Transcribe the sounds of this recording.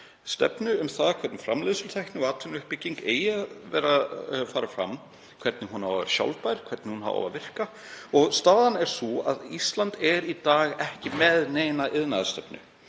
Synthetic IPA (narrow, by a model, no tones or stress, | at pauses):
st̪ɛ̰pnʏʏmθaðkʰɛɾt̪nɪfɾamlɪðsʏlt̪ʰajhk̪nɪɔaːt̪ʰʏnʏhpɪciŋkeːjɪaðvɛːrafaːɾafɾa̰mː | kʰvɛɾt̪nɪɦunawɛ̰ɾɕja̰wlpajɾ̥kʰvɛɾt̪nɪhunɦa̰va̰va̰vɪr̥ka | ɔɣst̪aːðanɛɾ̥sua̰ðist̪lant̪ɛɾit̪aːɣɛhcɪmɛðneːjnaʔɪðnaðast̪ɛpnʏ̰